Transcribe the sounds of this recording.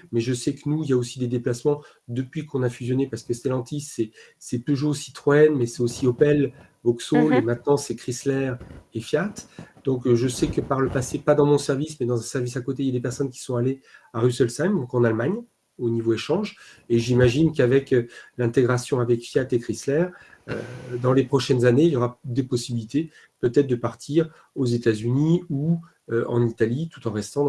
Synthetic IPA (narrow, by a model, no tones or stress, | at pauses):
mɛʒəsɛkənuiljaosid̪ed̪eplasmɑ̃ | d̪əpɥikɔ̃nafyzjɔnepaʁsə̥kəst̪elɑ̃t̪isɛ | sɛpøʒosi̥t̪χɔɛnmɛsɛosiɔpɛl | vɔksolemɛ̃t̪nɑ̃sɛkχislɛʁefjat̪d̪̥ɔ̃kʒəsɛkəpaʁləpasepad̪ɑ̃mɔ̃sɛʁvismɛd̪ɑ̃zɛ̃sɛʁvisakot̪eiljad̪epɛʁsɔnkʲi̥sɔ̃aleaʁysɛlsajmd̪ɔ̃kɑ̃nalmaɲ | onivoeʃɑ̃ʒ | eʒimaʒinkavɛkølɛ̃t̪eɡʁasjɔ̃avɛkfjat̪ekχislɛʁød̪ɑ̃lepχɔʃɛnzaneiljɔʁad̪epɔsibilit̪e | pøt̪ɛt̪χd̪əpaʁt̪ʰiʁ | ozet̪azyniu | øʔɑ̰̃nit̪alit̪u̥t̪ɑ̃ʁɛst̪ɑ̃